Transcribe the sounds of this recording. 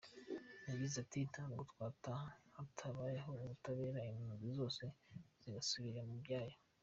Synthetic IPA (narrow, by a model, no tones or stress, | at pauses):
naɡizatitʰaɡutwaːtahatʰaβaːjeɦo̞uβutaβe̞ːɾaimunuzizo̞ːse̞z̥iɡasuβiɾemubjaːjo